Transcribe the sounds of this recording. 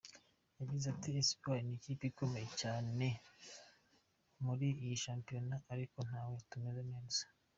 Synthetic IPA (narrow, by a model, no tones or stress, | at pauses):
jabɟizatiːsi̥baɾiniciːpeiko̞me̞je̞caːne̞ | muɾijiʃaːmpijo̞naːɾiko̞n̥haːwetumezeneːz̥ḁ